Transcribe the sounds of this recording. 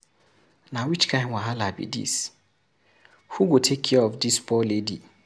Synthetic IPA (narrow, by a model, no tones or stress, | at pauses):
nãwit͡ʃkʰãɪ̃nwãɦalabḭdḭs | huɡotʰekʰːɛɔfdispʰɔledḭ